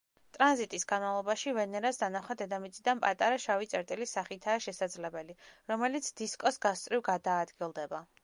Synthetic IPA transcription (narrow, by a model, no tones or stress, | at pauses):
t̪ʼɾanzit̪ʼisɡanmalˠɔbaʃivɛnɛɾasd̪anaχad̪ɛd̪amit̪sʼid̪anpʼat̪ʼaɾaʃavit̪sʼɛɾt̪ʼilisaχit̪ʰaːʃɛsad̪zlɛbɛliɾɔmɛlit̪sʰd̪̥iskʼɔsɡast̪sʼɾivɡad̪aːd̪ɡilˠd̪ɛba